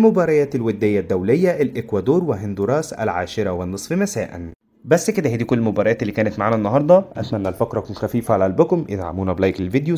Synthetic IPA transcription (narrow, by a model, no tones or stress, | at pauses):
lmobɑːɾˤɑjæːt̪elwed̪ːejːæd̪ːæwlejːæʔælʔekwæd̪oːɾˤweɦend̪uɾˤɑːsæ̰lʕa̰ːʃɪɾˤɑwenːɨsˤfimæsæ̰ːʔæ̰n | bæsːked̪æhiːd̪iːkolːlmobæːɾˤɑjæːt̪elːiːkæːnæt̪maʕaːnænːɑɦɑɾˤd̪ˤɑʔæt̪mæʔnːælfækɾˤɑkuːnxæfiːfæʕalælbʊkʊmjḛd̪ʕa̰muːnæblæːjkelved̪jo